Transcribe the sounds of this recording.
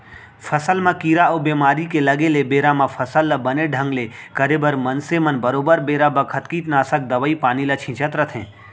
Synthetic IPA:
fʰɐsəlmãkiːɾaoːbeːmaːɾikelɐɡelebeːɾamãfʰɐsəlːəbɐneɖʱə̃ŋɡlekəɾebəɾmɐnsemɐnbɐɾoːbəɾbeːɾabɐkʰət̪kiːʈ̪naːsək̚d̪ɐʋəipaːnilɐt͡ʃʰɪ̃t͡ʃət̪ɾɐt̪ʰɦɛ̰̃ː

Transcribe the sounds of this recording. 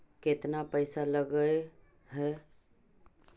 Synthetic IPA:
ket̪napəɪsaləɡəj | ɦɛ

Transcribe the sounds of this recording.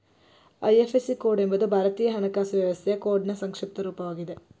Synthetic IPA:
ɐjefesikoːɖe̞mbɐd̪ubʱaːɾɐt̪iːjɐɦɐnɐkːaːsɐʋjɐʋɐst̪ʰejɐko̞ːɖnɐsɐŋkʂip̚t̪ɐɾuːpɐʋaːɡid̪e

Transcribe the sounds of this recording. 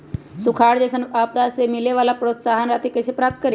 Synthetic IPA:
sʊkʰaːɽd͡ʒɛːsənaːp̚d̪asemɪleʋaːlapɾoːt̪saːɦənɾaːt̪ʰikesepɾaːp̚t̪̚ʰkəɾi

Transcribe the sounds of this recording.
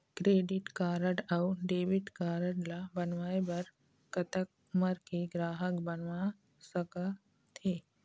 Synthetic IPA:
kɾeːɖɪʈkaːɾəʈauɖeːʋɪʈkaːɾəɽlabənʋaːebɐɾ | kət̪ək̚ | məɾkeɡɾaːɦəkbənʋa | səka | t̪ʰeː

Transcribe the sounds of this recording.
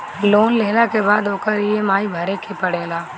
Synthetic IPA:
loːnleːlakeːbaːd̪oːkəɾiemaːibʱəɾeːkʰeːpəɽeːlaː

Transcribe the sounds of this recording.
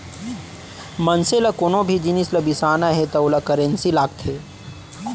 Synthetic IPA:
mɐnselɐkoːnõbʱid͡ʒinislɐbisaːnaɦet̪ɐolakɐɾẽnsilaːɡt̪ʰeː

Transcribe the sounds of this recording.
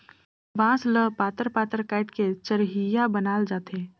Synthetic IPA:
ʋãːsləpaːt̪əɾpaːt̪əɾkɛːʈket͡ʃəɾɦijabənaːld͡ʒaːt̪eː

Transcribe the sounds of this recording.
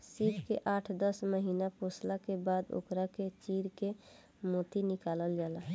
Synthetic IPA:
sipkeʔaːʈʰd̪əsməɦiːnaposlakebad̪o̰kɾaket͡ʃiːɾke | moːt̪inɪkaːləld͡ʒaːla

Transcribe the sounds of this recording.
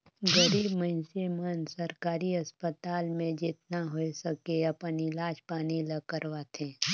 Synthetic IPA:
ɡəɾiːbməɪ̃nsemənsəɾkaːɾiəspət̪aːlmẽd͡ʒɪt̪naɦoesəkeɐpənɪlaːd͡ʒpaːniləkəɾʋat̪ʰẽː

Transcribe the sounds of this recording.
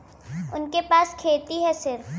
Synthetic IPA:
ʊnkepaːskʰeːt̪iɦɛsɪɾ

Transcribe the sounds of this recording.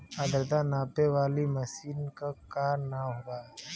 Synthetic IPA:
ad̪əɾd̪anaːpeʋaːlimɐsiːnkakaːɾnaɦoɡaː

